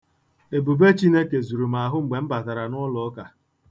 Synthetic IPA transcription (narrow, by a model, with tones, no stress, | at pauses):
e˨bu˨be˦t͡ʃi˦ne˦ke˨zu˨ɾu˨ma˨ɦʊ˦ŋ͡m̩˨ɡ͡be˨m̩˦ba˨ta˨ɾa˨nɔ˦lɔ˨˦ka˨